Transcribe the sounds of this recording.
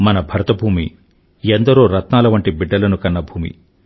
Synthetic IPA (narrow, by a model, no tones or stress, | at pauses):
mɐnɐbʱɐɾɐt̪ɐbʱuːmḭ | ɛnd̪ɐɾoːɾɐt̪naːlɐʋɐɳʈibiɖːɐlɐnukɐnːɐbʱuːmḭ